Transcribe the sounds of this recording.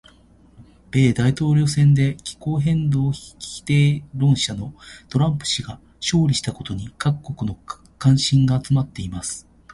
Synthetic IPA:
b̥e̞ːd̪ait̪o̞ːɾʲo̞ːsẽ̞nd̪e̞kʲi̥ko̞ːɦẽ̞nd̪oːçi̥i̥t̪eːɾõ̞ɰ̃ɕano̞t̪o̞ɾãmpɯ̥ɕiɡa | ɕo̞ːɾʲiɕi̥t̪ako̞t̪o̞ɲ̟ikakkːo̞kɯ̟no̞ | kãɰ̃ɕĩŋɡaːt͡sɨmat̪ːe̞imasɨ̥

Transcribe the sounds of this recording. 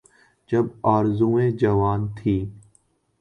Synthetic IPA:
d͡ʒəbaːɾzũːẽːd͡ʒəʋaːnt̪ʰiː

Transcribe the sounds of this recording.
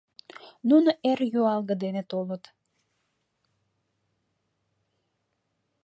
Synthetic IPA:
nunoʔerjoɑlɣəd̪enet̪olət̪

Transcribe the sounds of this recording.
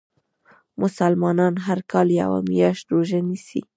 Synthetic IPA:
mʊsalmɑnɑnɦaɾkɑlja̰wa̰mijɑʃt̪ɾoʒanisḭ

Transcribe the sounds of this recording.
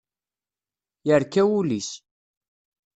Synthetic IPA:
jəɾkæwulis

